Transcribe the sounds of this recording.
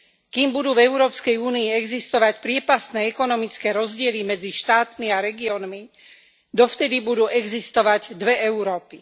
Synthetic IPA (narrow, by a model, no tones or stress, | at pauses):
kiːmbud̪uːvɛʊɾɔːpskɛjuːniːɛɡzist̪ɔʋacpɾɪɛpast̪nɛɛkɔnɔmit͡skɛːɾɔzɟɪɛlimɛd͡ziʃt̪aːt̪miaɾɛɡiɔnmi | d̪ɔft̪ɛd̪ibud̪uːʔɛɡzist̪ɔʋaɟd̪ʋɛʔɛʊɾɔːpi